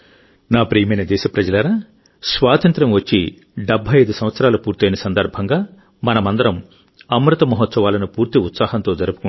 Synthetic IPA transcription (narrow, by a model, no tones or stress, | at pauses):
naːpɾiːjɐmɐjnɐd̪ɛːʃɐpɾɐd͡ʒɐlɐɾaː | sʋaːt̪ɐnt̪ɾɐmʋɐt͡ʃːi | ɖɐbʱːɐjɐjd̪usɐm̃ʋɐt̪sɐɾaːlupuːɾt̪eːjnɐsɐnd̪ɐɾbʱɐŋɡaː | mɐnɐmɐnd̪ɐɾɐm | ɐmɾut̪ɐmɐɦɔt̪sɐʋaːlɐnupuːɾt̪iut̪saːɦɐnt̪o̞ːd͡ʒɐɾupu̥ku